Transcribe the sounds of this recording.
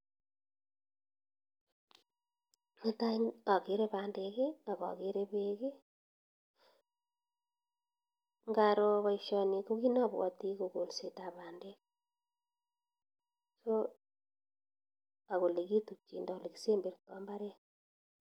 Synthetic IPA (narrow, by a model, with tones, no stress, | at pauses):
ne˦ta˦a˨ke˨ɾe˦βa˨ndeɣe˦a˨ɣa̰˨ɣe˦ɾe˦βeɣe˦ | ŋɡaɾo˦βa˦iʃɔ˨ni˨ko˦ɣi˦na˦βwɔ̰˨ti˦ko˨ko˨lse˨ta˨βaː˨nde˦k | so˦ | a˨ɣo˨le˨ɣi˦tu˨t͡ʃi˨nda˨o˨le˨ki˦se˦mbe˨ɾtɔ˨mba˦ɾe˦